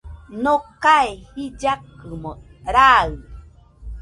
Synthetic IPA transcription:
nokaehid͡ʒakɨmo | ɾaɯ

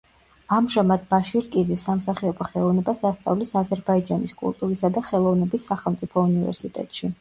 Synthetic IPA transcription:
amʒamad̪baʃiɾkʼizisːamsaχiɔbaχɛlˠɔvnɛbasast̪sʼa̰vlisazɛɾbaid͡ʒaniskʼṵlˠt̪ʼuɾisad̪aχɛlˠɔvnɛbisːaχɛlˠmt̪sʼipʰɔunivɛ̰ɾsit̪ʼɛ̰t̪ʼʃi

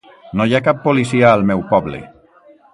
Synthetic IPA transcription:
nojakapːolisiaəːlˠmɛwpɔblḛ

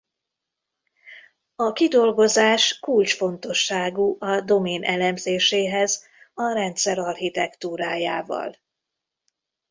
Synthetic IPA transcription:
ɒkid̪o̞lɡo̞zaːʃkult͡ʃfo̞nt̪o̞ʃːaːɡuʔɒd̪o̞meːnʔɛlɛmzeːʃeːɦɛz | ɒɾɛnt̪sɛɾɒrhit̪ɛkt̪uːɾaːjaːvɒ̰l

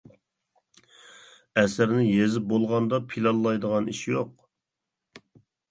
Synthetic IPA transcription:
ɛsɪɾnɪjezɪp̚bolˠʁɑnd̪ɑpʰilˠɑlˠːɑjd̪əʁɑniʃjoq

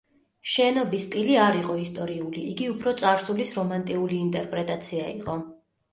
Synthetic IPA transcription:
ʃɛnɔbist̪ʼiliaɾiqʼɔist̪ʼɔɾiuliʔiɡiupʰɾɔt̪sʼaɾsulisɾɔmant̪ʼiuliːnt̪ʼɛɾpʼɾɛt̪ʼat̪sʰiaḭqʼɔ

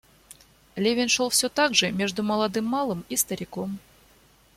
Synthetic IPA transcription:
lʲevʲɪnʲʂolˠfʲsʲot̪aɡʐɨmʲe̞ʐd̪ʊməlˠɐd̪ɨmːɑlˠɨmist̪ɐɾʲɪkom

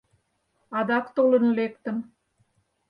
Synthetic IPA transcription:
ɑd̪ɑkt̪olə̆nlekt̪ə̆m

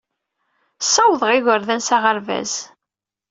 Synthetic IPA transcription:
sːæwðˤʁɪɣəɾðænsaʁəɾvæ̰z̥

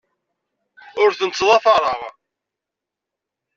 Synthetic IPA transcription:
ʊɾθənət͡sːðˤɑθɑɾˤəʁ

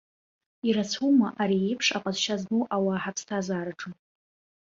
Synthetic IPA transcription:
iɾat͡sʰumaʔaɾiepʰʂaqʼazʃaznuʔawaːħapʰstʰazaːɾaʈ͡ʂʼɨm

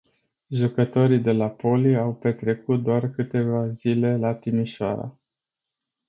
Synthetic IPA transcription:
ʒukət̪o̞ɾid̪e̞lapo̞liawpe̞t̪ɾe̞kut̪̚d̪oarkɨt̪e̞vazile̞lat̪imiʃoa̰ɾa̰

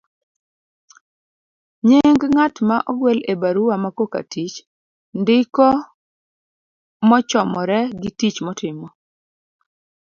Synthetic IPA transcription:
ɲeŋɡŋatmaʔɔɡwɛlebaɾuwamakoka̰tit͡ʃ | ndɪkɔ | mɔt͡ʃɔmɔɾɛɡɪtit͡ʃmɔtɪmɔ

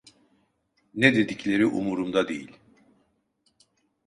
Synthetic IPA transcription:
ned̪e̞d̪iclʲe̞ɾiʔumuɾumd̪ad̪e̞̰jilʲ

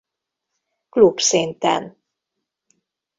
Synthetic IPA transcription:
klubsint̪ɛ̰n

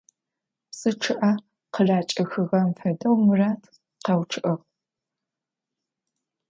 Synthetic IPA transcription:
psɨʈ͡ʂʰɨʔɐ | qəɮaːt͡ʃʼɐxɨɣɐmfɐdɐwmɨraːtʰ | qɑwʈ͡ʂʰɨʔɐʁ

